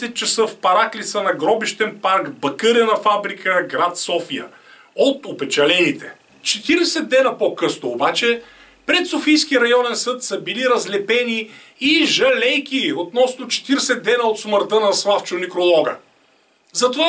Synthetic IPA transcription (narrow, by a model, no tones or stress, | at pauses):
sɛt̪̚t͡ʃɐsəfpɐɾaklit̪sənɐɡɾɔbiʃt̪ɛnpaɾɡbɐkəɾənɐfabɾikʰəɡɾat̪sɔfijə̰ | ot̪opɛt͡ʃɐlɛnit̪ɛ̥ | t͡ʃɛt̪iɾɛsɛd̪ːɛnɐpokɤsnʊːbat͡ʃɛ | pɾɛt̪sofijskiəɾɐjɔnɛnsɤt̪səbiliɾɐzlɛpɛniː | ʒɐlɛjkʲiot̪nɔsnot͡ʃɛ̥t̪iɾɛsɛd̪ːɛnəot̪sməɾt̪ənɐslˠaft͡ʃonikɾolˠɔɡə̰ | zɐt̪ova